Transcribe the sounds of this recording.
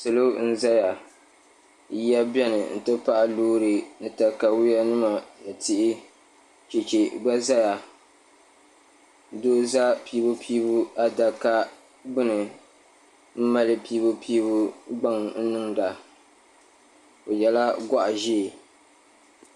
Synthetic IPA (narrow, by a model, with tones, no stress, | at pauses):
sɨ˨lo˦n̩˦za˦ja˨˦ | a˦bjɛ˦nɨ˨n̩˨tɨ˦pa˦ʔa˦luː˦ɾɨ˨nɨ˨ta˨ka˨wi˦ja˦nɨ˦ma˨nɨ˨tʰɪ˦ʔɪ˦ | t͡ʃi˨t͡ʃi˨ɡ͡ba˦za˦ja˨ | doː˦za˦pi˦bo˦pʰi˦bu˦a˦da˨ka˦ | bɨ˦nɨ˨ | m̩˦ma˦lɨ˦pi˦bo˦pʰiː˦bu˦ɡ͡ba˦ŋn̩˦nɨ˦ŋda˨ | o˨jɛ˨la˦ɡa˦ʔa˨ʒi˦˨